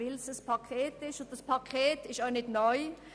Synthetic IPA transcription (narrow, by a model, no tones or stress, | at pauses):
ɪlsəspʰakʰeːtɪʃʊnd̥ɑspʰakʰeːtɪʃtaɪnɪtnɔʏ